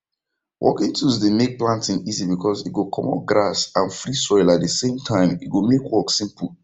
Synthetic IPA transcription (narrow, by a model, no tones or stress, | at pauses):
wʔɔ̰kĩntʰuzdemek̚plãntɪ̃nizibikʰɔzit̚ɡokʰɔ̰mɔ̰p̚ɡɹasãnfɾisɔɪlat̚dəsẽmtʰãɪ̃mitɡomekwɔksĩmpəl̩